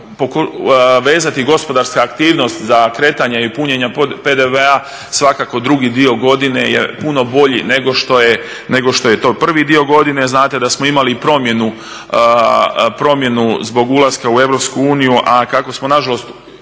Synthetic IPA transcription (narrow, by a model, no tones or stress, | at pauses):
pokuʋe̞ːzat̪iɡo̞spo̞d̪aɾskaːkt̪iːʋno̞st̪zakɾe̞t̪aɲaipuɲeɲaped̪eʋea | sʋakako̞d̪ɾuɡid̪io̞ɡo̞d̪inejḛpuno̞bo̞ʎḭne̞ɡo̞ʃt̪o̞je | ne̞ɡo̞ʃt̪o̞je̞t̪o̞ːpr̩ʋid̪io̞ɡo̞d̪ine̞znaːt̪e̞d̪asmoimalipɾo̞mje̞nu | pɾo̞mje̞nuzbo̞ɡulˠaskaue̞ʋɾo̞pskuuːnijuʔakako̞smo̞naʒalo̞st̪